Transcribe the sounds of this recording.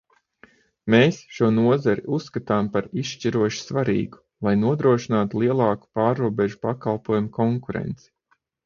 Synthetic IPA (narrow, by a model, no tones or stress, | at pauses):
meːsʃuɔnuɔzaɾiʔusːkat̪aːmpaɾiʃʃt͡ʃiɾuɔʃi̥sʋaɾḭːɡu̥ | lˠajnuɔd̪ɾuɔʃinaːt̪ulˠiɛlˠɑːku̥paːɾːuɔbɛʒupakalˠpuɔjumukɔŋkuɾɛ̰nt̪si̥